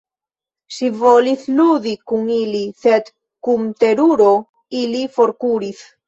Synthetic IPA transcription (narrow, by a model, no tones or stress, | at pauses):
sivoliθluðikuŋiliset̪ | kumt̪eɾuɾo | ilifoɾkuɾiθ